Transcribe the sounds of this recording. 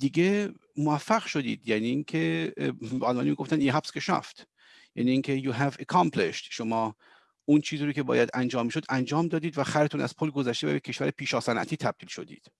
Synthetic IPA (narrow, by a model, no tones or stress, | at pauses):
d̪iɡe | moæfːæɣʃo̞d̪ḭːd̪jæniːŋkʰe | ɒlmɒːnimiːɡoft̪æniɦæpskeʃɑ̰ft̪ | jæ̰niːŋkʲʰejuɦævekʰɑmpʰlḛʃt̪ʃomɒː | unt͡ʃʰiːziɾoːkʲcʰe̞bɒ̰ːjæd̪ænd͡ʒɒːmːiːʃo̞d̪ʔænd͡ʒɒːmd̪ɒːd̪iːd̪væxæɾet̪ʰunʔæ̰z̥pʰolɡo̞zæʃt̪evæ̰becʰe̞ʃvæɾepʰiːʃɒːsænʔæ̰t̪ʰiːt̪ʰæb̚d̪̥iːlʃo̞d̪ḭːd̪̥